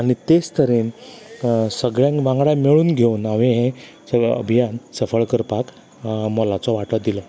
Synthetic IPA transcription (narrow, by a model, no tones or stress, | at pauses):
añit̪est̪əɾen | səɡɭjãŋkʋãŋɡɽãmeɭuːnɡʱeunaʋeɦẽ | əə̰bʱijansəfəɭkəɾpak | mɔlat͡sɔʋaʈɔd̪ilɔ